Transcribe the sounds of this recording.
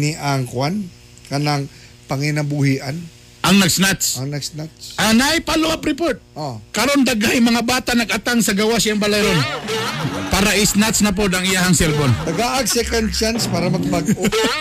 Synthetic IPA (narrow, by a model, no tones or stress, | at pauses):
niʔaŋkwan | kɐnaŋ | pɐŋɪnɐbuhiʔan | ʔɐŋnɐɡsnat̪sɐŋnɐɡsnat̪sʔanajpaloʔapɾɪpoɹt̪̚ʔokɐɾo̞nd̪aɡajɪmɐŋabaːt̪anɐɡat̪aŋsɐɡawasaŋbalajɾon | paːɾɐʔɪsnat̪snɐp̬od̪ɐŋɪjahɐŋsɛlbont̪ɐɡaʔɐɡsɛkɐnt͡ʃanspaːɾɐmɐɡ̚baɡʔo